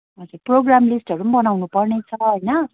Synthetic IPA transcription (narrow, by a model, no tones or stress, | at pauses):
ʌd͡zuproɡramlisʈɦʌɾunbʌnawnupʌrnet͡sʰʌɦʌjnʌ